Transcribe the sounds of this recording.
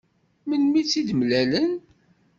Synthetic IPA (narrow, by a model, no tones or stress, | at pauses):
mənmit͡sːid̪mlælən